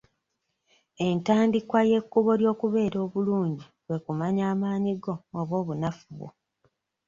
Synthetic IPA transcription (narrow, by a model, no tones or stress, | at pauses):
e̞ntaːndikwaje̞kːuβo̞ɾjo̞ːkuβe̞ːɾo̞ːβuluːɲɟiβwe̞kumaɲaːmaːɲiɡo̞ːβwo̞ːβunafuβwo̰